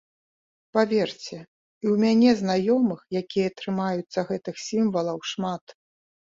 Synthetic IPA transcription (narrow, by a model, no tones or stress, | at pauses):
pavʲɛrt͡sʲɛ | iwmʲanʲɛznajɔmɨxjakʲijɐt̪ɾɨmajut̪sːɐɣɛt̪ɨxsʲimvɐlˠɐwʂmat̪